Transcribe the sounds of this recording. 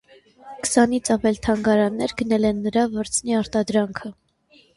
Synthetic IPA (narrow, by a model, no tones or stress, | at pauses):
kə̥sɑnit͡sʰɑvɛlt̪ʰɑŋɡɑɾɑnːɛɾɡənɛlɛnːəɾɑvɔɾt͡sʰniɑɾt̪ɑd̪ɾɑŋkʰə